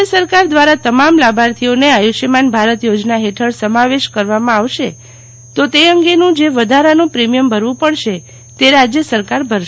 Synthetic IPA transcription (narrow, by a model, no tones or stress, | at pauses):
əsəɾkaɾd̪ʋaɾat̪əmamlabʱaɾt̪ʰioneajuʃemanbʱaɾət̪jod͡ʒnaɦeʈʰəɭsəmaʋeʃkəɾʋamãaʋʃe | t̪ot̪eəŋɡenũd͡ʒeʋəd̪ʱaɾanũpɾemijəmbʱəɾʋũpəɽʃe | t̪eɾad͡ʒjəsəɾkaɾbʱəɾʃ